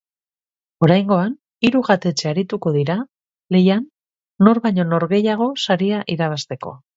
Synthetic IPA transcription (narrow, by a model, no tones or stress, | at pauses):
o̞ɾajŋɡo̞an | iɾuɣat̪e̞t͡ʃeaɾit̪uko̞ðiɾa | le̞janː | o̞ɾβaɲo̞no̞ɾɣe̞jaɣ̞o̞saɾiaʔiɾaβ̞ast̪e̞ko̞̰